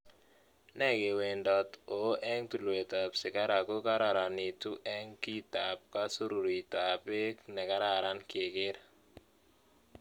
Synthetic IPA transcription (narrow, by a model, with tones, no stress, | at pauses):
nɛ˦ɡe˨we˨ndɔ˨t̪o˨˦ʔɛ˦ŋt̪u˨lwe˨t̪a˨psɪ˨ka˦ɾa˨ko˦ka˦ɾa˨ɾa˨ni˨tu˦ʔɛ˦ŋki˦ta˨p̚ka˦su˦ɾu˨ɾi˨ta˨pe˦knɛ˨ka˦ɾa˨ɾa˦nkɪ˨kɪ˦ɾ